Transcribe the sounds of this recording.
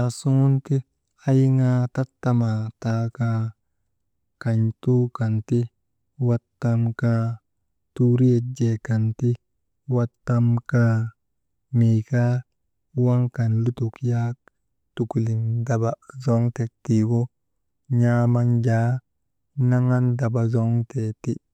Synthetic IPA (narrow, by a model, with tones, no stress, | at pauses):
a˨su˦nti˦ | a˦jŋa˧ta˦tːa˧ma˨ta˦ka | ka˨ɲtu˦ka˨nti˦ | wa˦tːa˧mka | tu˦ɾi˦e˧d͡ʒe˨ka˨nti˦ | wa˦tːa˧mka˦ | mi˨ka˦ | wa˦ŋka˨nlu˦tu˨kja˦k | tu˨ku˨li˨nda˨ba˨zo˦ŋte˨ti˨wo˦ | ɲa˦ma˦nd͡ʒa˨˦ | na˦ŋa˦nda˨ba˨zo˦ŋte˨ti˦